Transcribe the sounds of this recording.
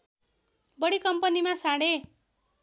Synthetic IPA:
bʌɽikʌmpʌnimasãɽe

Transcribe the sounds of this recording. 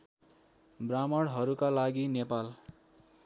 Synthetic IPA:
bramʌɽɦʌɾukalaɡinepal

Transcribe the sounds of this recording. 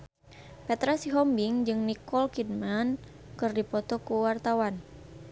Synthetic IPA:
pɛt̪ɾasiɦɔmbiŋd͡ʒɨŋnikɔlkidman | kɨrdipɔt̪ɔkuwart̪awan

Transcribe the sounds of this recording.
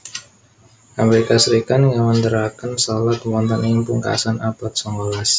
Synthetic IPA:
ʔaməɾikasəɾikat̪ŋɡamənd̪əɾakənsɔlat̪̚wɔnt̪ənimpuŋka̰sanapat̪̚sɔŋɔlas

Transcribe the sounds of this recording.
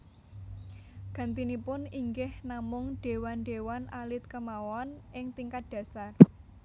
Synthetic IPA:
ɡ̥ä̤nt̪inipʊniŋɡɪhnamʊŋɖ̥e̤wanɖe̤wanʔalɪt̪̚kəmawɔnʔɪŋt̪iŋkat̪̚d̥ä̤sar

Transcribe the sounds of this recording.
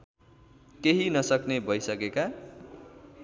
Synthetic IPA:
keɦinʌsʌknebʱʌjsʌkeka

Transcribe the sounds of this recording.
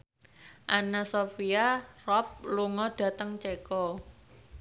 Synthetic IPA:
ʔanasofiarɔp̚luŋɔd̥a̤t̪əŋt͡ʃekɔ

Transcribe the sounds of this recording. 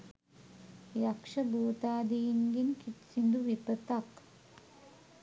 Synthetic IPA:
jɐkʂɐbuːt̪aːd̪iːŋɡinkit̪sind̪uʋipɐt̪ak

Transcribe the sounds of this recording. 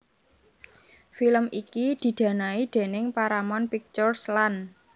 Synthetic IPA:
filəmʔikid̪̥i̤d̪̥ä̤naid̪̥e̤nɪŋpaɾamɔnpik̚t͡ʃɔrslan

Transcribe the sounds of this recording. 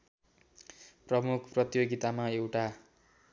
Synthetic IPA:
prʌmukʰprʌt̪joɡit̪amaewʈa

